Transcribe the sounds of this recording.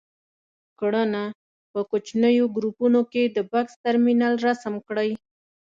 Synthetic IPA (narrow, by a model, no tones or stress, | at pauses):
kɽəna | pəkot͡ʃnəjoɡɾupunoked̪əbakst̪aɾminalɾasamkɽəj